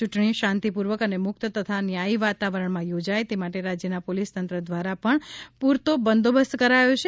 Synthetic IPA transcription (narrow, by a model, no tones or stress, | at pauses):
t͡ʃuʈɳiʃãnt̪ipuɾʋəkənemʊk̚t̪ət̪ət̪ʰanjaiʋat̪aʋəɾəɳmãjod͡ʒajt̪emaʈeɾad͡ʒjənapolist̪ənt̪ɾəd̪ʋaɾapəɳpuɾt̪obənd̪obəst̪kəɾajot͡ʃʰe